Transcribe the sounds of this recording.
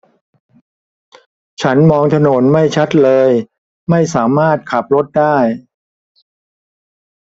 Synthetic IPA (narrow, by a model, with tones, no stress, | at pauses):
t͡ɕʰa˦˥nmɔː˧ŋt̪ʰa˧no˩˦nma˥˩jt͡ɕʰa˦˥t̪̚lɤː˧j | ma˥˩jsaː˩˦maː˥˩t̪̚kʰa˨˩p̚ɾo˦˥t̪̚daː˥˩j